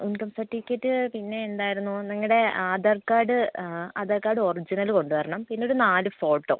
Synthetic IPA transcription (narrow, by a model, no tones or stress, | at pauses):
unkɐmsɐʈːiikʲːɐtːɨpinːe̞ːnd̪aːjiɾunːuniŋːɐɽe̞aːd̪ɐrkaːɖɨaːd̪ɐrkaːɽɨo̞rid͡ʑinɐlko̞ɳɖuʋɐɾɐɳɐmpinːeoɽunaːlɨfo̞ːʈːo̞̰